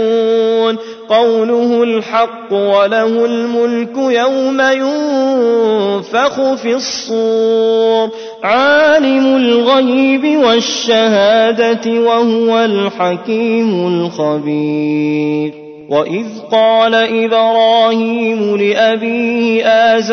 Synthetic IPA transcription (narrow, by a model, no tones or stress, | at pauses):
n | qɑwlʊhʊlħɑqːʊwalahʊlmʊlkʊjawmajʊ | faxʊfɪsˤːuːɾ | ʕaːlɪmʊlɣajːbɪwaʃːahaːd̪at̪wahʊwalħakiːmʊlxabiː | ɾ | wʔaʔɪðqɑːlaʔɪdɾˤɑːhiːmʊlɪʔabiːhɪʔaːz